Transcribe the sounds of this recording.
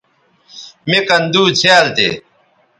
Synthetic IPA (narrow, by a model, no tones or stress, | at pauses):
mekɐnd̪uːt͡ɕʰealt̪ḛ